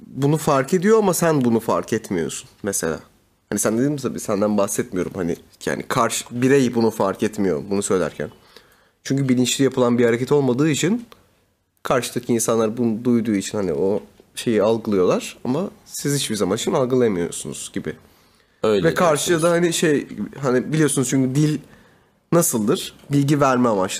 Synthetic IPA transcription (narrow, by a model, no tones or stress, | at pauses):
bunufaɾke̞d̪ijo̞amasænbunufa̰ɾkʰɛt̪mijo̞̰sunmɛse̞̰lʲa̰ː | hanisænd̪ed̪ʲinmit̪ʰabiːsænd̪ænbahsɛt̪mijo̞̰ɾumhanɪ̰ja̰ːnikʰaɾʃbiɾɛjbunufaɾkɛt̪mijo̞̰bunusø̞jlʲæ̰ɾcʰæ̰n | t͡ʃʰyɲcybilʲint͡ʃlʲijapʰɯlˠanbihaɾecɛt̪ʰo̞lˠmad̪ɯːit͡ʃʰin | kʰaɾʃɯd̪acʰiːnsanlˠaɾbund̪ujd̪uːit͡ʃʰinhanḭo̞ʃe̞jialˠɡɯlˠɯjo̞lˠaɾ̥amasizit͡ʃbizamaniʃʰt͡ʃimalˠɡɯlˠajamɯjo̞̰sunṵz̥ɟibɪ | øjvɛkʰaɾʃɯjad̪ahaniʃejhanibilʲijo̞sunuzt͡ʃʰyɲcyd̪ilʲ | nasɯlˠd̪ɯɾ̥ | bilʲɟivæɾmɛamat͡ʃ̪ˠ